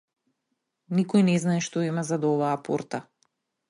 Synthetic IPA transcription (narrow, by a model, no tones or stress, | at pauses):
nikɔjnɛznaɛʃt̪ɔimazad̪ɔvaːpoɾt̪a